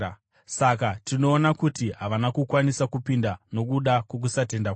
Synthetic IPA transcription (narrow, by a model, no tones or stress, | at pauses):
sakatino̞ːnakutiɦaʋanakukwanisakupindano̞kuɗakwok̬usate̞ndak